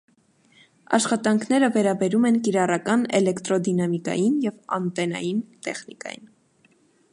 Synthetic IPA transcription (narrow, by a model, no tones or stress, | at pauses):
ɑ̰ʃχɑt̪ɑŋkʰnɛɾəvɛɾɑbɛɾumɛnkiɾɑrɑkɑnɛ̰lɛkt̪ɾɔd̪inɑmikɑ̰jinjɛvɑ̰nt̪ɛnɑ̰jint̪ɛχnikɑ̰jḭn